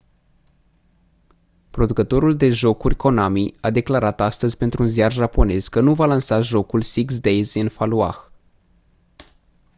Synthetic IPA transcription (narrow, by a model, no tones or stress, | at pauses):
pɾo̞d̪ukət̪o̞ɾuld̪e̞ʒo̞kurʲko̞namiad̪e̞klaɾat̪ast̪əzʲpe̞nt̪ɾuːnzjarʒapo̞ne̞zkənuvalansaʒo̞kulsiksd̪ejzɨnfalua̰x